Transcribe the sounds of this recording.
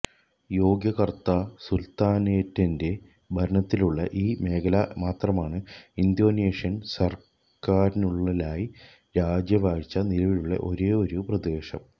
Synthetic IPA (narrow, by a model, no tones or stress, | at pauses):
jo̞ːɡjɐɣɐrt̪aːsult̪aːneːtːɐnde̞ | bʱɐɾɐɳɐt̪ːiluɭːɐ̰ʔiːme̞ːkʰɐlɐmaːt̪rɐmaːɳɨind̪jo̞ːneːʂjɐnsɐr | kaːɾinuɭːɐlaːji | ɾaːd͡ʑjɐʋaːɡit͡ɕːɐnilɐʋiluɭːɐ̰ʔo̞ɾe̞ːo̞ɾuprɐd̪e̞ːʂɐ̰m